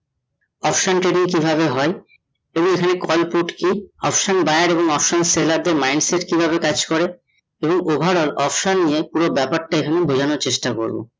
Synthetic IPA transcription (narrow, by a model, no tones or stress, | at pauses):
ɔpʃonʈɾeɖiŋkibʱabeɦɔe | eboŋekʰanekɔlpuʈkiɔpʃonbaeaɾeboŋɔpʃonselaɾd̪eɾmajɳɖseʈkibʱaβekad͡ʑkoɾe | eboŋobʱaɽolɔpʃonːijepuɾobɛpaɾʈaekʰanebʱod͡ʑʱanoɾt͡ɕeʃʈako̰ɾbo̰